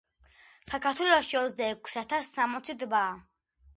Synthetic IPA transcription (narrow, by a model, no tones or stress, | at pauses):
sakʰaɾt̪ʰwɛlˠɔʃiɔt̪zd̪aɛkʰsat̪ʰasːamɔt̪sʰid̪baː